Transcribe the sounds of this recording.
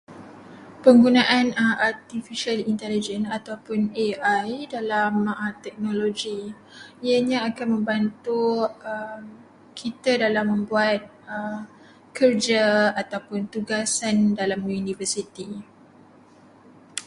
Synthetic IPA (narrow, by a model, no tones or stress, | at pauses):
pəŋɡunãʔanart̪ifiʃalint̪ɛlid͡ʒɛnat̪awpʊneʔajdalamət̪ɛk̚nõloɡi | iaɲãakanmə̃mbant̪uəm | kʰit̪adalamːə̃mbuat̪̚ | ə | kərd͡ʒaat̪awpʊnt̪uɡasandalamunĩfəsit̪i